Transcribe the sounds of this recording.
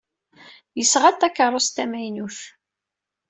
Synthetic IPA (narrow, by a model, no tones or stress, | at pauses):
jəsʁæt̪ːækːərˤːost̪æmæjnuθ